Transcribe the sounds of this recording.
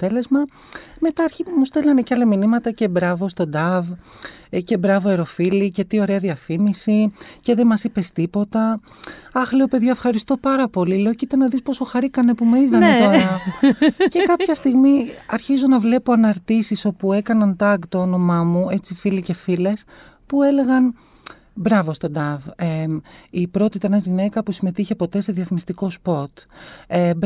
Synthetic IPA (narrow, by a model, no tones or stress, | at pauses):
t̪e̞le̞zmɐ | me̞t̪ɐɐɾçimust̪elɐneceɐlɐminimɐt̪ɐce̞bɾɐvo̞st̪o̞d̪ɐv | ce̞bɾɐvoeɾo̞filice̞t̪io̞ɾe̞ɐðiɐfimisice̞ðemɐsipe̞st̪ipo̞t̪ɐ | ɐxle̞ope̞ðʝɐefxɐɾist̪o̞pɐɾɐpo̞lileocit̪enɐðispo̞so̞xɐɾikɐne̞pumeiðɐnet̪onɐ | ce̞kɐpçɐst̪iɣmiɐɾçizo̞nɐvle̞po̞ɐnɐɾt̪isiso̞pue̞kɐnɐnt̪ɐɡt̪oono̞mɐmue̞t͡sifilice̞file̞s | pue̞le̞ɣɐn | bɾɐvo̞st̪o̞d̪ɐveipɾo̞t̪it̪enɐzʝine̞kɐpusime̞t̪içe̞po̞t̪e̞se̞ðiɐθmist̪iko̞spo̞t̪eb